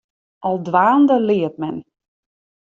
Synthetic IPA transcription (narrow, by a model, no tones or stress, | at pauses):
ʔɔlˠdʋaːndəlɪːət̚mɛn